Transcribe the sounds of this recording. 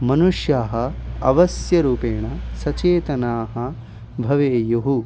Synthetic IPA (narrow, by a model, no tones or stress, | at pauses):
mɐnuʂjaːɦɐ̆ɐʋɐsjɐɾuːpeːɳɐsɐt͡ʃeːt̪ɐnaːɦɐ | bʱɐʋeːjoɦu